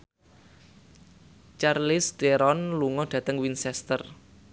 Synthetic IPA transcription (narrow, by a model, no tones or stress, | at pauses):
t͡ʃarlɪsd̪̥eɾɔnluŋɔɖ̥ä̤t̪əŋwinsɛst̪ər